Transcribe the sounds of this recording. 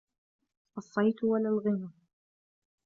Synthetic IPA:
ʔɑsˤːɑjt̪walalɣɪna

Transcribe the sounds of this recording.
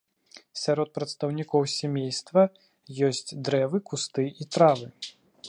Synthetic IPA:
sʲaɾɔt̪̚pɾɐt̪st̪ɐwnʲikɔwsʲamʲejst̪vɐ | jɔsʲt͡sʲd̪ɾɛvɨkust̪ɨit̪ɾavɨ

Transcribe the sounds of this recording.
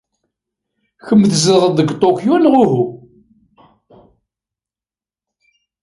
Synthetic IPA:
çəmːθzəʁəðəɡt̪ˤokjunʁʊɦu

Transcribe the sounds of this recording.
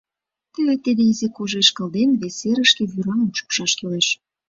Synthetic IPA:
t̪elet̪ːed̪eizekoʒeʃkə̆lˠd̪enβeseɾəʃkĕβyɾɑmət͡ʃu̥kʃɑʃkeleʃ

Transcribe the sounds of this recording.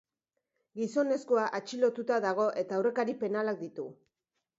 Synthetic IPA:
ɡiso̞ne̞skoaʔat͡ʃilo̞t̪ut̪aðaɣ̞o̞ʔe̞t̪aːwre̞kaɾipe̞nalak̚d̪it̪u

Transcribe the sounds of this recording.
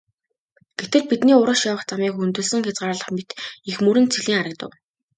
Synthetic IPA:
ɡ̥et̪ɘ̆ɮpit̪niːʊɾə̆ʃjawə̆χt͡samiːkunt̪ɵ̆sɘ̆ŋxʲat͡sʁaːɾɮə̆χmet̪ixmɵɾɘ̆nt͡sʰiɮiːŋaɾə̆k̚t̪ə̰̆w

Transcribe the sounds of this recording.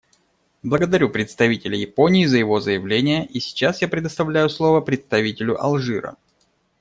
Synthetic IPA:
blˠəɡəd̪ɐɾʲupɾʲɪt̪st̪ɐvʲitʲɪlʲɪjɪpo̞nʲɪːzəjɪvo̞zəjɪvlʲenʲɪjəʔisʲɪ̥t͡ɕasjapɾʲɪd̪əst̪ɐvlʲæjʊslˠo̞vəpɾʲɪt̪st̪ɐvʲitʲɪlʲʊʔɐ̰lˠʐɨɾə̰

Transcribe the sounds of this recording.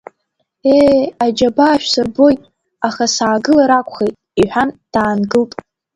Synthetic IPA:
ead͡ʒabaːʃʷᶣsɨrbo̞jtʼ | aχasaːɡɨlaɾakʷʰʼχejtʼiħʷᶣand̥aːnɡɨltʼ

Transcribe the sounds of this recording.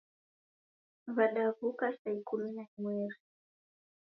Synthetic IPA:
vaɗavukastaikuminaimwɛɾi

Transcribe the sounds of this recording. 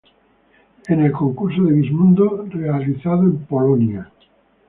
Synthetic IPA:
enelkoŋkuɾsoðeβizmũnd̪orealiθaðoempolonja

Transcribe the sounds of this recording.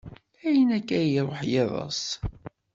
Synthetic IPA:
æjənækːæjiɾˤoħjeðˤɑ̰sˤ

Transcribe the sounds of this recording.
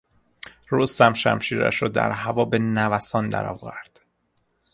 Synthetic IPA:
ɾost̪æmʃæ̰mʃiːɾæ̰ʃɾɒːd̪æ̰ɾhævɒːbenævæsɒːnd̪æ̰ɾɒ̰ːvæɾd̪̥

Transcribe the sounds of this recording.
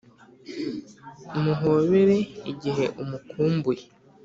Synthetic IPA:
muɦoβeɾe̞iɟiɦe̞ʔumukuːmbuje

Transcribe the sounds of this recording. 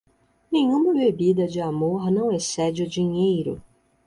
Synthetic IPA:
nẽɲũmɐbebid̪ɐd͡ʒɪamoɾnɐ̃w̃esɛd͡ʒɪʊd͡ʒiɲejɾʊ̰

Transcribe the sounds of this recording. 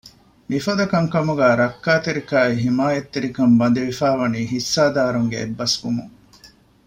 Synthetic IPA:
mifɐd̪ɐkɐŋkɐmuɡæːɾɐkːaːt̪eɾikaːiɦimaːjɐt̪ːeɾikɐmbɐnd̪iʋifaːʋɐniːɦisːaːd̪aːɾuŋɡḛḛbːɐskumṵŋ

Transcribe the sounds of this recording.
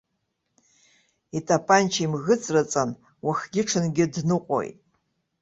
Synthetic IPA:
itʰʼapʰʼant͡ʃʰaimɣɨt͡sʼrat͡sʼan | waχɡʲɪʈ͡ʂʰɨnɡʲɪdnɨqʷʼo̰jtʼ

